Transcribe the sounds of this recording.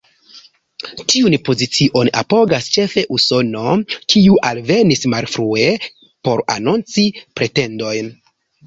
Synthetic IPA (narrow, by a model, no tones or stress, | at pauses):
tʰiunpo̞zit͡siʔo̞na̰po̞ɡast͡ʃe̞fe̞ʔuso̞no̞kiuʔalve̞nismalfɾue | po̞ɾa̰nont͡sipɾe̞te̞ndo̞jn